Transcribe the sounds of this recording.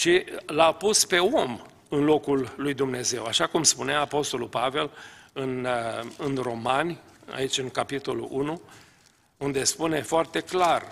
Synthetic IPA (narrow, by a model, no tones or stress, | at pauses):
ʃilapuspe̞o̞m | ɨnlo̞kulːujd̪umne̞ze̞waʃakumspuneaːpo̞st̪o̞lulpave̞lɨnɨnro̞manʲa̰it͡ʃʲɨŋkapit̪o̞lṵʔunu | und̪e̞spune̞foart̪e̞klar